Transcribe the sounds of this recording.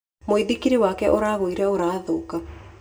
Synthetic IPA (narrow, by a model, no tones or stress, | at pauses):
moiðikiɾewaːkɛʔoɾaːβoiɾɛoɾaːðoka